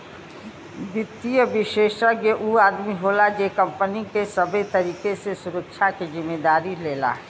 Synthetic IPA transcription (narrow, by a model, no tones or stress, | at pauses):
ʋɪt̪ːijəbɪʃeːʃɾəɡeʔuaːd̪miɦoːlad͡ʒeːkə̃mpənikesɐbʱet̪ɐɾiːkesesʊɾəkʃʰakizɪmːeːd̪aːɾileːla̰ɦɛ